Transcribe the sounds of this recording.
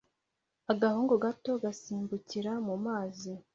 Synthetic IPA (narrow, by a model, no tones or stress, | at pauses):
aɡahuːŋɡoɡato̞ɡasiːmbuciɾamumaːzi